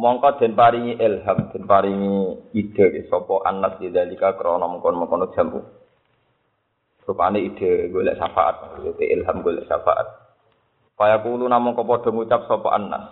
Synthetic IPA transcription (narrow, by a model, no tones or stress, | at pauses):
mɔŋkɔd̪̥ɛ̤npaɾiŋiʔɛlɦamd̪̥ɛ̤npaɾiŋiid̥ə̤kesɔpɔʔa̰nːasdid̪alikakəɾɔnɔmɔkɔnmɔŋkɔno̥d͡ʒ̥amṵ | supaneid̪̥əɡolɛ̰ʔsafa̰ʔa̰t̪̚maut̪ḛʔilɦamɡolɛ̰ʔsa̰fa̰ʔa̰t̪̚ | u̥pajakulunamɔŋkɔpɔd̥ɔ̤ŋut͡ʃap̚sɔpɔ̰ʔa̰nːa̰s